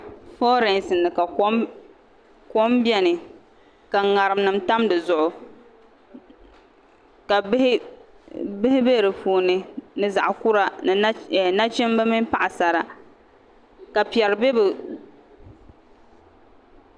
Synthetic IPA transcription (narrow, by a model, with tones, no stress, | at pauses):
fɔ˦ɾɛ˨nsɨ˨nːɨ˨ka˨˦ | ko˦mbjɛ˦nɨ˨ | ka˨ŋa˨ɾɨ˨mnɨ˨mta˦mdɨ˨zʊ˨ʔʊ˨ | ka˨˦h | bɪ˦hɪ˦be˦˨ɾɨ˨puː˨nɨ˦nɨ˦za˨ʔʊ˨ku˦ɾa˨nɨ˨˦˨na˦t͡ʃɛ˦mba˦mi˦n˦pa˦ʔa˨sa˨ɾa˨ | ka˨pi˨ɛ˨ɾɨ˨be˦bɨ˨